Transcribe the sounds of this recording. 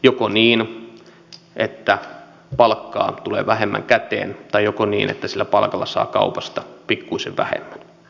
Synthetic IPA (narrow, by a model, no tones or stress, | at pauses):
jokoniːn | ʔet̪ːæ | pɑlkːɑ̰ːt̪ulḛːʋæɦemːæ̰ŋkæt̪ḛːnt̪ɑjjokonḭːnʔḛt̪ːæsilːæpɑlkɑlːɑsɑ̰ːkɑ̰upɑst̪ɑpikːuiseʋʋæ̰hḛmːæn